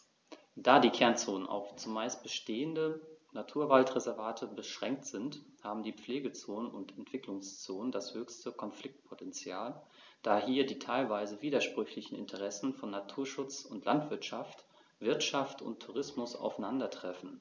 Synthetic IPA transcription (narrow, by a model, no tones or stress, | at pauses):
d̥aːdiːkʰɛɐnt͡soːnənʔa̰ʊxt͡sʊmaɪst̚b̥əʃteːəndənatʰuːɐvaltʁɛzɛɐvaːtʰəbəʃʁ̥ɛŋk̚tz̥ɪnthaːbm̩diːp͡fleːɡət͡soːnənʊntɛntv̥ɪklʊŋst͡soːnəndashøːçstəkʰɔnflɪk̚t̚pʰotɛnt͡sjaːl | d̥aːhiːɐdiːtʰaɪlvaɪzəviːdɐʃpʁ̥ʏçlɪçn̩ɪ̰ntʰəʁɛsn̩fɔnːatʰuːɐʃʊt͡sʊntlʔa̰ntv̥ɪɐtʃaft | v̥ɪɐtʃaftʊ̰ntʰːuʁ̞ɪsmʊsa̰ʊfaɪnandɐtʁ̥ɛfn̩